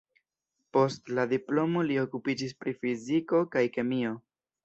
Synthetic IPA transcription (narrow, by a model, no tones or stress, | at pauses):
po̞stladiplo̞mo̞lio̞kupid͡ʒispɾifiziko̞kajke̞mio̞